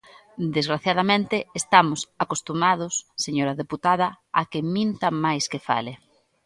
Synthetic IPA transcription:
d̪ezɣɾaθjað̞ɐmẽnt̪ɪːst̪amʊsakost̪umað̞ʊsːeɲoɾɐðeput̪aðɐ | akɪmĩnt̪ɐmajskɪfa̰lɪ

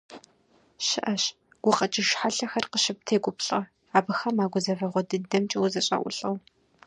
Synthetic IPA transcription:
ʃɪʔɐɕ | ɡ̥ʷʊqɐt͡ʃʼɪʒħaɬɐxɐrqəʃɪp̚tʰeːɡʷʊpɬʼɐ | aːbɨxɐmaːɡʷʊzɐvɐʁʷɔdɨdɐmt͡ʃʼɪwzɐɕʼɐ̰ʔʷʊ̰ɬʼɐw

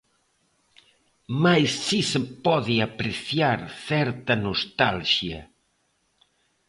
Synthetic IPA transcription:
majsːisepɔðiapɾeθjaɾθɛɾt̪ɐnost̪alʃjɐ̰

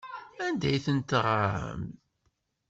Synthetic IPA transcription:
ænd̪æjθənt̪ʁaə̰m

